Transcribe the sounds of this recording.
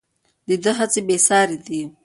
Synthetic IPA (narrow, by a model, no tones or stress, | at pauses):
d̪əd̪əɦat͡sebesɑɾid̪i